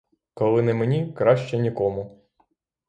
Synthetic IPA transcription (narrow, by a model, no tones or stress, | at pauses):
kɔlˠɪnɛmenʲikɾɑʃt͡ʃɛnʲikɔmʊ